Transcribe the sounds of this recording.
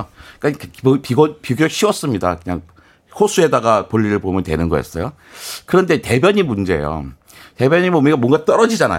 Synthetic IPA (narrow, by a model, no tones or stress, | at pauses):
k͈akpiɡʌpiɡjʌɕ͈ʰiwʌs͈ɯmɲida̰kɯɲaŋ | hosʰue̞daɡapoʎːiɾɯɭpomjʌntwe̞nɯnɡʌjʌ̰s͈ʌjo | kɯɾʌnde̞te̞bʲjʌɲimund͡ʑe̞̰jo̰ | te̞bjʌɲimomiɡamwʌŋɡat͈ʌɾʌd͡ʑid͡ʑana̰